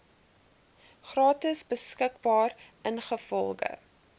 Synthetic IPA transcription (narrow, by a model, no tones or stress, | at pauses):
χrɑːtisbəskəkbɑːrənχəfɔlˠɡə̰